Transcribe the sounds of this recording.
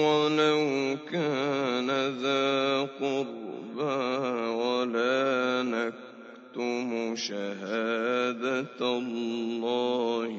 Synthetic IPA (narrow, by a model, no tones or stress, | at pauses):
walawkaːnaðaqʊɾbawalaːnak | t̪ʊmʊʃaɦaːd̪at̪allːɑːh